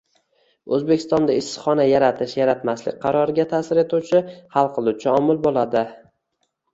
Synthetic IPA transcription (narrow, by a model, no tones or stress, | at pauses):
ɵzbekʲʰɪ̥st̪ɒnd̪aɪsχɒnajaɾat̪ʰɪʃjaɾat̪maslɪ̰k̚ʲqʰɑɾɒɾɪɡʲat̪ʰaːsɪɾe̞t̪ʰuwt͡ʃʰɪhalˠqʰɨlˠut͡ʃʰaɒmʊlˠbolˠad̪ɪ